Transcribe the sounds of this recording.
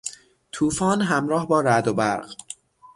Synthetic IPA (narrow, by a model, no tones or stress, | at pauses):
t̪ʰuːfɒːnɦæmɾɒːhbɒːɾæd̪obæɾɢ